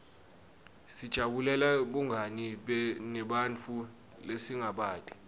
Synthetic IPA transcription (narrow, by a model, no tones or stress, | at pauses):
sid̥ʒ̥ʱaɓulɛlaɓuŋɡʱaniɓɛnɛɓant͡fʰu | lesiŋɡʱaɓaːtʼi̥